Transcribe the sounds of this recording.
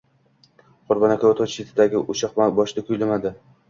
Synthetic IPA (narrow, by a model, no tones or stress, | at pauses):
qʰʊɾbɒnakʰʲavɒt̪ʰɒt͡ʃʃɪt̪ʰɪd̪aɡʲɪʔʊʃɑqmabɒʃɪd̪akʰʊjlamad̪ɪ